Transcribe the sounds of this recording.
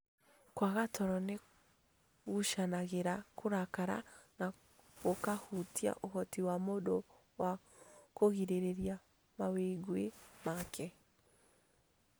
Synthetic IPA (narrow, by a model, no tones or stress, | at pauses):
kwaɣatɔɾɔne | ɣuʃanaɣeɾakʰoɾakaɾa̰na | ɣokahutia̰ʔohɔtiwamodo | wa | koɣiɾeɾeɾja | maweɡwemakʰɛ